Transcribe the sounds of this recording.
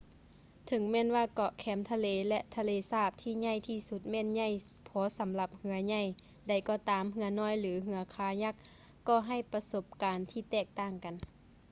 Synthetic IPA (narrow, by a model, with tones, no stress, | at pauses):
t̪ʰɤ˨˦ŋmɛː˧˥˨nwaː˧˩kɔ˧˩ʔkʰɛː˨˦mt̪ʰa˧leː˨˧lɛ˧ʔt̪ʰa˧leː˨˦saː˧˩p̚t̪ʰiː˧˩˨ɲa˧˩˨jt̪ʰiː˧˩su˧t̪̚mɛː˧˥˨nɲa˧˩˨jpʰɔː˨˦sa˨˦mla˧˦p̚hɯ˧˦ɐɲa˧˩˨j | da˨˩jkɔː˧˩t̪aː˨˦mɦɯ˧˦ɐnɔː˧˥˨jlɯː˨˦ɦɯ˧˦ɐkʰaː˨˦ɲa˧˥k̚ː | ɔː˧˩ɦa˧˩˨jpa˧so˧˦p̚kaː˨nt̪ʰiː˧˩t̪ɛː˧˩k̚t̪aː˧˥˩ŋka˨n